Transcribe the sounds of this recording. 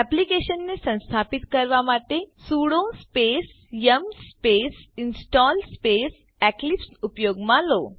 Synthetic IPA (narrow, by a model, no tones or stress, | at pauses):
ɛplikeɕənːesə̃w̃st̪ʰapit̪kəɾʋamaʈesuɽospes | jəmsspesinsʈɔlspes | ɛklipsupjoɡmãlo